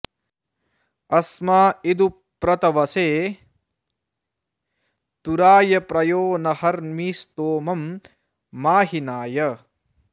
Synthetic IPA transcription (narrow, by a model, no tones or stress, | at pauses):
ɐsmaːid̪u | pɾɐt̪ɐʋɐseː | t̪uɾaːjɐpɾɐjoːnɐhɐɾmiːst̪oːmɐmː | aːɦinaːjɐ